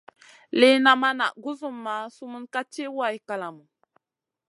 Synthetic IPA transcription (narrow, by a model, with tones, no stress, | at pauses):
le˦na˨ma˦na̰˨ɡu˦zu˦mːa˨˦su˦mu˦nka˦t͡ʃe˦wa˦˨i˨ka˨la˨mu˨